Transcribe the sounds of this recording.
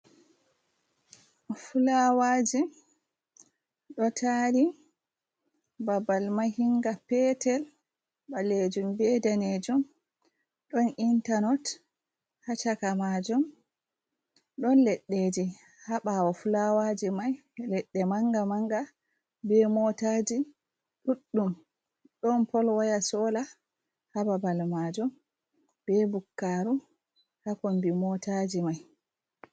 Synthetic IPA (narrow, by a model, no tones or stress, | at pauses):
fulawaːd͡ʒi | ɗɔtʰaɾi | babalmaɦiŋɡapɛtɛl | baled͡ʒumbɛdaned͡ʒum | ɗɔnintanɔt | hat͡ʃakamad͡ʒum | ɗɔnlɛɗːed͡ʒi | haɓawɔfulawad͡ʒimaj | lɛɗːɛmaŋɡamaŋɡa | bɛmɔtad͡ʒi | ɗuɗːum | ɗɔnpɔlwajasɔla | hababalmad͡ʒɔm | b̥ɛbukːaɾu | hakɔnbimɔtad͡ʒimaj